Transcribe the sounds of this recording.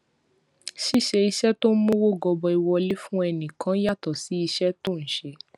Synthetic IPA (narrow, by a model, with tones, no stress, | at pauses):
ʃi˦˨ʃe˧i˧ʃɛ˦to˦n̩˦mõ˦wo˦˨ɡɔ˧bɔ˧i˧wɔ˧le˦fũ˦ɛ˧nĩ˨kã˨˦ja˦˨tɔ˨si˨˦i˧ʃɛ˦to˦˨n̩˨ʃe˧˦